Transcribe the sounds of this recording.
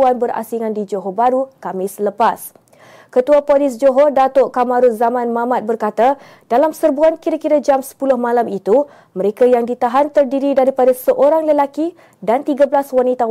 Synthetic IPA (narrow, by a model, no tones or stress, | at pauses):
anbəɾa̰siŋandid͡ʒoɦobaɾukamɪsləpas | kət̪uapolɪs̬d͡ʒoɦodat̪oʔkamaɾʊzamãnmãmat̪̚bərkat̪a | d̥alamsərbuankiɾakiɾad͡ʒamsə̥pulʊhmãlamit̪u | mə̃ɾekajaŋdit̪aɦant̪ərdiɾidaɾipadasəʔoɾaŋləlaki | dant̪iɡabəlaswanit̪a